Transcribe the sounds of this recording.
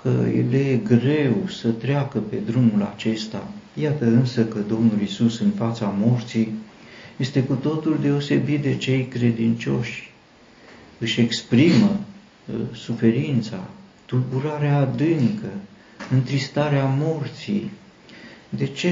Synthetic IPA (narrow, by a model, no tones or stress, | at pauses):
kə̰jḛle̞ɡɾe̞wsət̪ɾeakəpe̞d̪ɾumula̰t͡ʃe̞st̪a̰jat̪əɨnsəkəd̪o̞mnulisusɨnfat̪samo̞rt̪si | je̞st̪e̞kut̪o̞t̪uld̪e̞o̞se̞bit̪̚d̪e̞t͡ʃe̞jkɾe̞d̪int͡ʃo̞̰ʃʲ | ɨʃe̞kspɾimə | sufe̞ɾint̪sa̰t̪urbuɾaɾeaːd̪ɨŋkə | ɨnt̪ɾist̪aɾeamo̞rt̪sij | d̪e̞t͡ʃe